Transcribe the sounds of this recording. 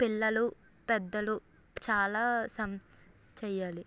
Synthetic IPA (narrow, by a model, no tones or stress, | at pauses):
pilːɐlu | pɛd̪ːɐlu | t͡ʃaːlaːsɐm | t͡ʃɛːjːaːli